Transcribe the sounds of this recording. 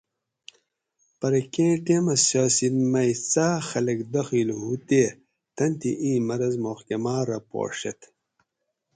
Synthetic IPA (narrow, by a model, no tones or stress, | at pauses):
pɐɾɐkẽːʈemɐsjaːsinmɐjt͡saːxɐlɐkd̪ɐxiːlhut̪e | t̪ɐnt̪iʔĩːmɐɾɐzmoxkemaːɾɐpo̰ːʂḛt̪